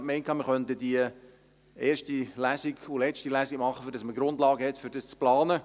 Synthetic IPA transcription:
kmɛɪnkʰɑːməχœntədiə | ʔeːrʃtilæsiɡʊlɛt͡ʃtilæːsiɡmɑχːəfɾdɑsməɡɾʊndlɑːɡəhɛtfʏɾdɑst͡splɑːnə

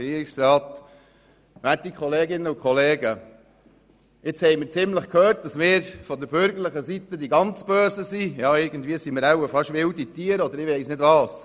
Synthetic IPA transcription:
iɾiksɾɑːt | mætikχɔleːɡɪnːəʊkʰχɔleːɡə | ɪt͡shɛɪməɾt͡sɪmləχkʰhøːɾt̚d̥ɑsmɪːɾfɔd̪əɾbʏɾɡəɾləχəsit̪əd̪iɡɑnt͡sb̥øːsəsijɑːɪɾɡən̩d̪vʋiəsiməɾawəfɑʃʋɪwdit̪iːəɾɔd̪əɾɪʋɛɪsnɪdʋɑːs

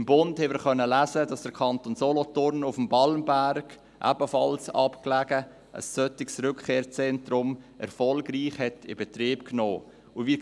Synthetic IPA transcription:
ɪmbʊnthɛmɪːɾχœnːəlæzədɑsd̥əɾkʰɑntonzɔlɔtʊɾnʊfmbɑlmbæɾɡ̥ | ʔæ̰bəfɑlsɑ̰pklæɡ̥ə | ʔə̰sːœtɪksɾʏkʰkeːɾt͡sɛntɾʊmʔɛ̰ɾfɔlɡriːχhɛtɪbɛtriːp̚knoː | ʊviː

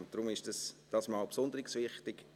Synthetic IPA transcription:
ntd̥ɾʊmɪʃd̥ɑsd̥ɑsmɑlpsʊndəɾɪksʋɪχtɪɡ

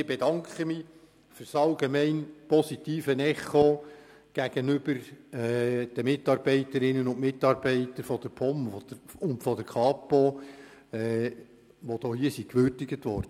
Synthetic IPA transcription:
ɪb̥edɑŋkχəmi | fʏɾsɑlɡemɛɪnpɔsitiːfənɛχo | ɡ̥æɡ̥ənʏbəɾɛd̥əmɪtɑːɾb̥ɛɪtəɾɪnənʊntmɪtːɑːɾbɛɪtəɾfɔd̪̥əɾpʰɔmfɔdʊntfɔdəɾkʰɑːpo | ɛ | ʋod̥̪oːhiəsikʋʏɾdɪɡətʋɔɾd̥ə

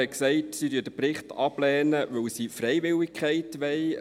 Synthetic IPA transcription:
ɛksɛɪtsidyːədəprɪχtɑb̥lɛːnəʋɵwsifrɛjʋɪlɪkʰχɛɪtʋɛɪ

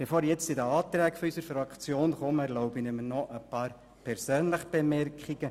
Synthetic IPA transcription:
b̥efoːɾjɛt͡stɪdəɑːt̪ɾɛːkfɔysəɾfɾɑkt͡sjoːnχɔməɛɾlɔʊbɪnɪmənɔʔəpɑːɾ | pʰɛɾsøːnləχb̥emɛrkχiɡə

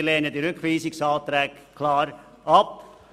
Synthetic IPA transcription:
lɛːnədiɾʏkχʋiːsɪksɑːlt̪ɾɛːkkʰlɑːɾ | ʔɑp̚

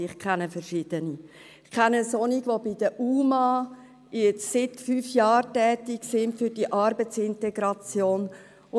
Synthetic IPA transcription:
ɪχkʰɛnəfəɾʃiːd̥̪əni | ɪχkʰɛnəsɔniɡʋobɪd̥̪əʔuːmɑ | jɛt͡ssɪtfyːfjɑːɾtɛːtɪksɪntfyɾdiʔɑɾbət͡sɪntɛɡɾɑt͡sjoːn | ʊ

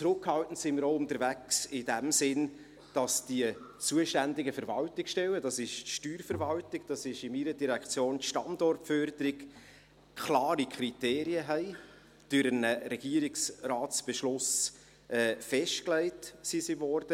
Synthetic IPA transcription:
t͡sɾʊkhɑltn̩sɪməɾoʊntəɾvæksɪdæmsɪn | d̥ɑsd̥iət͡suəʃtændɪɡəfəɾvɑltɪkʃtɛwədɑsɪʃʃtyːɾfəɾvɑltɪɡ̥d̥ɑsɪʃɪmiɾədiɾækt͡sjoːntʃtɑndɔrtfœɾdəɾɪɡ | kʰlɑːɾikʰɾiteːɾiəɦɛɪ | d̥øɾənəɾɛɡ̥iəɾɪksraːtsb̥ɛʃlʊs | ʔɛːfɛʃtklɛɪtsisivɔɾd̥ə

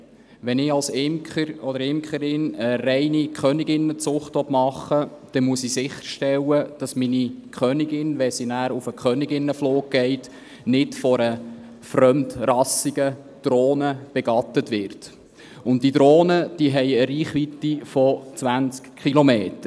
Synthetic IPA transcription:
ʋɛnɪɑlsɪmkχəɾɔdəɾɪmkχəɾɪnəɾɛɪnikχœnɪɡɪnːət͡sʊχtʋɔtmɑχːəd̥ɛmuəsisɪχəɾʃtɛlːəd̥ɑsminikχœnɪɡɪnʋɛsinæːɾufəkχœnɪɡɪnːəfloːk̚ɡ̥ɛɪt | nɪtfɔɾə | fɾœmtrɑsiɡ̥ə | d̥ɾoːnəb̥ɛɡ̥ɑt̪ətʋɪɾt | ʊntd̥id̪ɾoːnəd̥iːɦɛɪəɾiːχʋit̪ifɔt͡sʋænt͡skχilomeːtə

